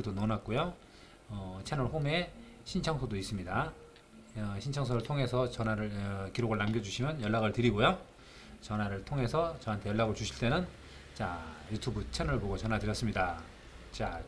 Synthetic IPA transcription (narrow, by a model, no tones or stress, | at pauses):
idonʌnat̚k͈ojo | ʌt͡ɕʰenʌɭɸome̞ | ɕʰint͡ɕʰʌŋsʰodois͈ɯmɲida | ɕʰint͡ɕʰʌŋsʰoɾɯɭtʰoŋɦe̞sʰʌt͡ɕʌnaɾɯɭkiɾoɡɯɭnamɡjʌd͡ʑuɕʰimjʌnjʌɭːaɣɯɭtɯɾiɡojo | t͡ɕʌnaɾɯɭtʰoŋɦe̞sʰʌt͡ɕʌɦantʰe̞jʌɭːaɡɯɭt͡ɕuɕʰiɭt͈e̞nɯn | t͡ɕajutʰubut͡ɕʰenʌɭpoɡot͡ɕʌnɦatɯɾjʌs͈ɯmɲida | t͡ɕa